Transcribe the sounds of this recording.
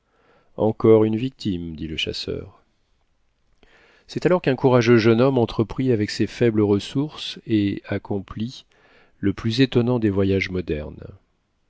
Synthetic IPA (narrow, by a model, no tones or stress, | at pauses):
ɑ̰̃kɔʁynvik̚t̪ʰimd̪iləʃa̰sœ̰ːʁ | sɛt̪alɔʁkɛ̃kuʁaʒøʒənɔmɑ̃t̪χəpχiavɛksefɛbləʁəsuʁseakʰɔ̃pli | ləplyzet̪ɔnɑ̃d̪evwajaʒmɔd̪ɛ̰ʁn